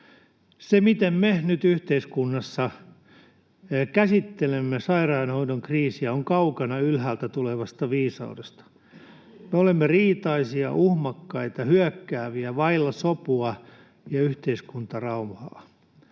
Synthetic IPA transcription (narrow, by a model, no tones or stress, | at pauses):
semit̪emmenyt̪yht̪eiskunːɑsːɑ | kæsit̪ːelemːesɑirɑːnhoinoŋkriːsiæoŋkɑukɑnɑylɦæːlt̪æt̪uleʋɑst̪ɑʋiːsɑ̰udest̪ɑ̥ | meolemːeriːt̪ɑisiɑ̰ʔuhmɑkːɑit̪ɑhyækːæːʋiæʋɑilːɑsopuɑ | jɑyht̪eiskunt̪ɑrɑumhɑ̰ː